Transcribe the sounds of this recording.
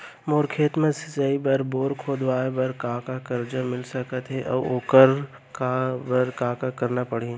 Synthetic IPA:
moːɾkʰeːt̪mɐ̃sɪzaːibəɾboːɾkʰoːd̪ʋaːbɐɾkaːkakɐɾd͡ʒamɪlsɐkət̪ɦɛʔɔ̰ːoːkəɾ | kabɐɾkaːkakɐɾnapɐɽ̤i

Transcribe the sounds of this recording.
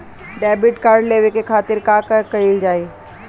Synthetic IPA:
ɖɛːbɪʈkaːɾɖleːʋekekʰaːt̪ɪɾkaːkɐɾkɐɾild͡ʒaːeː

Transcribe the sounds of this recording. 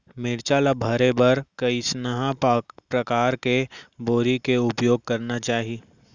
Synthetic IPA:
mɪɾt͡ʃaːlabʱɐɾebɐɾkɐisnaɦapɾɐkaːɾkeboːɾikeʊpjoːɡ̚kɐɾnat͡ʃaːɦi

